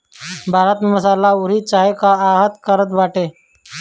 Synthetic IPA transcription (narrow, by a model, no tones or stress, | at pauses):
bʱaːɾət̪mməsaːlauɾiːt͡ʃaːɦekaaːɦət̪kəɾət̪ʋaːʈeː